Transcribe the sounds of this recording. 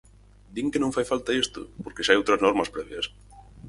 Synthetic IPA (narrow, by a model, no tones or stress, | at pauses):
d̪iŋkenõŋfajfalt̪aest̪ʊ̰poɾkeʃajowt̪ɾɐznɔɾmɐspɾɛβjɐs